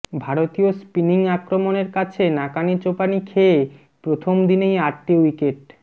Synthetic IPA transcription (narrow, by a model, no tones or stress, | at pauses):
bʱaɾot̪iospiniŋakɾomoneɾkat͡ɕʰenakanit͡ɕopanikʰee | pɾot̪ʰomd̪inejaʈːiwikeʈ̚